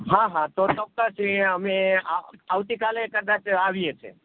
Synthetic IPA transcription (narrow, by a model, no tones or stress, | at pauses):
ɦãɦãt̪ot̪ɔk̚t̪asiəme | awt̪ikalekəd̪at͡ʃaʋiɛt͡ʃʰɛ̰